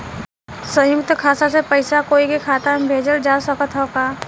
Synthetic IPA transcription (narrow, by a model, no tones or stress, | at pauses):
sə̃jʊkt̪ʰəkʰaːsasepɐɪsakoːikekʰaːt̪abʱeːd͡ʒəɾd͡ʒaːsəkət̪ʰɦokaː